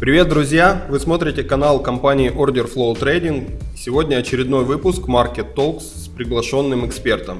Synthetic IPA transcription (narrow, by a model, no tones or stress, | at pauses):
pɾʲɪvʲe̞t̪d̪ɾʊzʲjavɨsmo̞t̪ɾʲɪtʲɪkɐnalˠkɐmpanʲɪɪʔordʲɪrflˠoʊt̪ɾejdʲɪnɡsʲɪvo̞dʲnʲəɐt͡ɕɪɾʲɪd̪no̞jvɨpʊskmarkʲɪt̪ːolˠks | pɾʲɪɡlˠɐʂo̞nːɨmɨkspʲe̞rt̪əm